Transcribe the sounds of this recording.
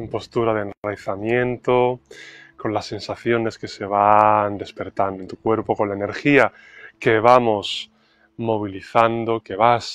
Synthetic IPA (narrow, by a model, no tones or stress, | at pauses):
empo̞st̪uɾaðenrajθamje̞nt̪o̞ | ko̞nlasːe̞nsaθjo̞ne̞ske̞se̞β̞and̪e̞spe̞ɾt̪and̪ont̪u̥kwe̞ɾpo̞ko̞nlaene̞ɾxia | ke̞β̞amo̞s | mo̞β̞iliθand̪o̞ke̞β̞as